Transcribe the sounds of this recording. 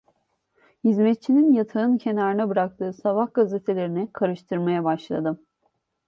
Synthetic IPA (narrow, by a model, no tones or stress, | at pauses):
hizmɛt̪̚t͡ʃʰininjat̪ʰaɯncʰe̞naɾɯnabɯɾak̚t̪ʰɯːsavahɡazet̪ʰelʲe̞ɾinɛkʰaɾɯʃt̪ʰɯɾmajabaʃlˠa̰d̪ɯm